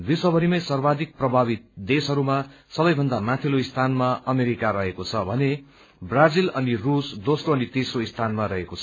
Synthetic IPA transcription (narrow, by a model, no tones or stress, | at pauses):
bisʌbʱʌɾimʌjsʌrbad̪ik̚prʌbʱaβit̪̚d̪esɦʌɾuma | sʌbʌjbʱʌnd̪amat̪ʰiloist̪ʰanmaʌmeɾikaɾʌɦekot͡sʰʌbʱʌne | brad͡zilʌnirusd̪osroʌnit̪esroist̪ʰanmaɾʌɦekot͡sʰʌ